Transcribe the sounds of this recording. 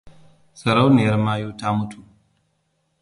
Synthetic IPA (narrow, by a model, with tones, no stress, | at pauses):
sɐ˨ɾa˦wni˨jɐ˦ɾmaː˦juː˦ta˦mʊ˦tʰu˨